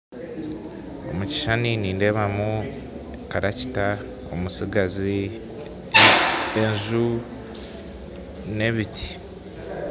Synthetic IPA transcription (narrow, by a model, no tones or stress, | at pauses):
o̞muci̥ʃaniniːnde̞βamu | kaɾaci̥ta | o̰musiɡazi | enzu | ne̞βitʰi̥